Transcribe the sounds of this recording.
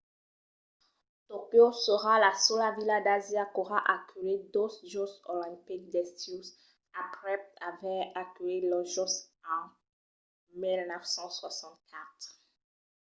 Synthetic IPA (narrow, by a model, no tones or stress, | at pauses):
t̪okjosəʁalasolavilad̪azjakoʁaʔakʰyled̪osʒɔsolɛ̃pik̚d̪ɛst̪us | apʁɛp̚t̪avɛakylelɔʒɔsɑ̃ | milnɛfsɑ̃swasɑ̃t̪̚kʰat̪χ